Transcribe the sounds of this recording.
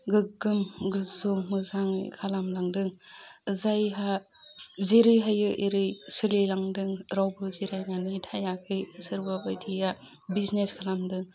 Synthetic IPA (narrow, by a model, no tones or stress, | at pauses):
ɡɯɡɯmɡɯzomɯzaŋ̰kʰalamlaŋdɯŋɯzajɦa | zeɾɯjɦajɯʔeɾɯjsɯlilaŋdɯŋɾawbɯziɾajnanitʰajakʰɯjsɯɾbabajtʰija | bizneskʰalamdɯŋ